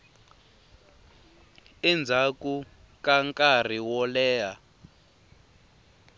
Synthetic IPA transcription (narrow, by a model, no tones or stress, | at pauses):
ɛnd͡zʱaku | kaŋkʼar̤iwɔlɛːɦa